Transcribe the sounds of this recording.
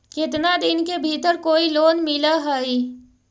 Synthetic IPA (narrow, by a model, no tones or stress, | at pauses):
kɪt̪nad̪ɪnkebʱiːt̪əɾkoːiloːnmɪlaɦaːi